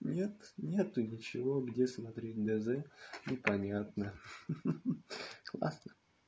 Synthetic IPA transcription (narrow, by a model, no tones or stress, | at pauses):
nʲe̞t̪nʲet̪ʊnʲɪt͡ɕɪvo̞ɡdʲe̞smɐt̪ɾʲet̚ʲd̪ɛzɛnʲʊpɐnʲat̪̚nə | klˠa̰snə